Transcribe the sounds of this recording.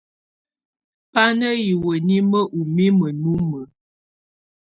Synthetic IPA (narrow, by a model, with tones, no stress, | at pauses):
pa˦nə˦ji˨wə˨ni˦mə˦ʔu˨mi˦mə˨nu˦mə˨